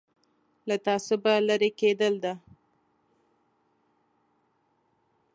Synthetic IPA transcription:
lat̪ɑsobalaɾeked̪əld̪a

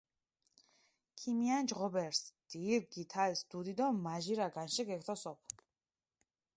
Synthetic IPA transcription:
kʰimiand͡ʒʁɔbɛɾsd̪̥iɾɡit̪ʰaɛsd̪ud̪id̪ɔmaʒiɾaɡanʃɛɡɛkʰt̪ʰɔsɔpʰ

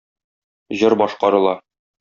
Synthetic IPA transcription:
ʑɤɾbɒʃqɑɾɤ̆lˠɑ

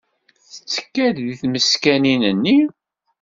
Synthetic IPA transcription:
θə̥t͡sːə̥kːæððiθməskæninənːi

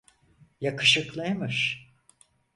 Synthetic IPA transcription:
jakʰɯʃɯklˠajmɯʃ

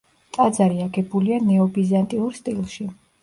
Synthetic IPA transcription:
t̪ʼad̪zaɾiaɡɛbulianɛɔbizant̪ʼiuɾst̪ʼilˠʃi

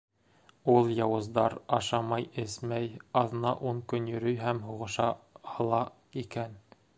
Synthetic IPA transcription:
ulˠjɑwɤ̆zd̪ɑɾɑʃɑmɑjɘsmæjɑðɤ̆nɑʔuɴkɵnjɵ̆ɾɵjɦæmɦuʁɤ̆ʃɑhɤ̆lˠɑ | ikæn

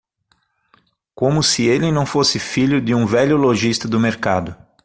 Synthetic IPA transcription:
kõmʊsɪelɪnɐ̃w̃fosɪfiʎʊd̪ɪũvɛʎʊloʒist̪ɐd̪ʊmeɾkad̪ʊ

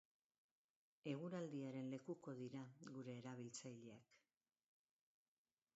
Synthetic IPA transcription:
e̞ɣ̞uɾald̪iaɾe̞nle̞kuko̞ðiɾaɣuɾe̞ːɾaβ̞ilt͡sajʎe̞ak

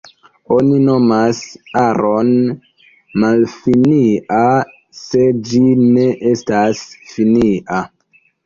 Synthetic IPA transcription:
o̞nino̞masaɾʔon | malfinia | se̞d͡ʒine̞ʔestasfiniʔa

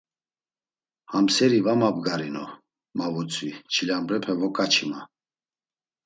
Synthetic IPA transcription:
hamsɛɾivamabɡaɾinɔ | mavut͡sʼvit͡ʃʰilambɾɛpʰɛvɔkʼat͡ʃʰima

